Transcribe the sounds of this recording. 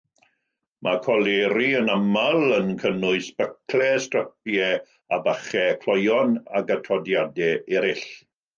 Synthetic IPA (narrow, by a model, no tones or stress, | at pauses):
mʔakʰɔlˠeːɾiənamalˠənkʰənʊɨsb̥əkʰlɛstrəp̚jɛ | abaχɛkʰlɔjɔna̰ɡatʰɔdjadɛɛɾɪɬ